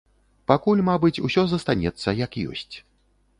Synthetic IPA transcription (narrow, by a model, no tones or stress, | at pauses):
pakulʲmabɨt͡sʲusʲɔzɐst̪anʲɛt̪sːɐjɐkjɔ̰sʲt͡sʲ